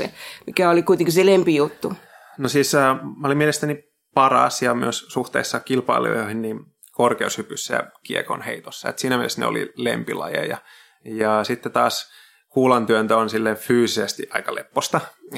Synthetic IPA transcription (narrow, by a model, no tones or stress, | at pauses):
emikæolikuit̪eŋkiselempijut̪ːu | nosiːsəːmɑolimielest̪æni | pɑrɑ̰sjɑmyøssuht̪ḛˑisːɑkilpɑ̰ilṵo̰hinnim | korkeushypysːæjɑ̰kieko̰nhḛit̪osːɑḛt̪siːnæmielesnḛo̰lḭlḛmpḭlɑ̰jḛjjɑ | jɑsit̪ːet̪ɑːs | kuːlɑnt̪yønt̪æonsilːefyːsisest̪iʔɑikɑlepːost̪ɑ